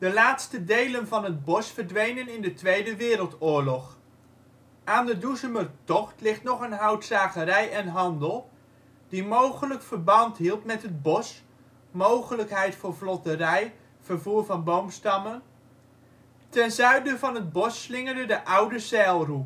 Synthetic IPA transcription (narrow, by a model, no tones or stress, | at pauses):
dəlaːtstədejlənvɑnɦəd̚bɔsfəɹdʋejnənɪndətʋejdəʋɪːɾəlˠtʊːɹlɔχ | ʔaːndəduzəmərtɔχtlɪχtnɔχənɦɑwtsaːχəɾɛjɛnɦɑndəlˠ | d̥imowχələkfəɹbɑntɦilˠtmɛtɦəd̚bɔs | mowχələkɦɛjtfʊːɹvlɔtərɛj | v̥əɹvuːɹvɑnbowmstɑmən | tɛnzœɥdəvɑnɦəd̚bɔsːlɪŋəɹdədəʔʌwdəsɛlˠru